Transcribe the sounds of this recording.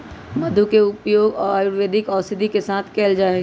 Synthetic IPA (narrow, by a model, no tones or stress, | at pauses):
məd̪ʱukeʊpjoːɡɔːɾaːjʊɾʋeːd̪ʱɪkɔːsɪd̪ʱikesaːt̪ʰkeːld͡ʒaːeɡe